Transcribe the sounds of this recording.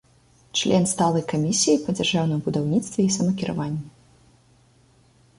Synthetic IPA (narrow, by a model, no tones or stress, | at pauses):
t͡ʂlʲʔɛnst̪alˠɐjkamʲisʲijipɐd͡zʲarʐawnɨmbud̪awnʲit̪st̪vʲɛisɐmɐkʲiɾa̰vanʲːɛ